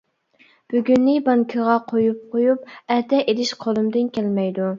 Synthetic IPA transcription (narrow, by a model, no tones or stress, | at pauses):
b̥yɡʲynːɪbɑŋkʲʰəʁɑqʰojup̚qʰojup̚ɛht̪ɛʔelɪʃqʰolˠumd̪ɪnkʲælmɛjd̪u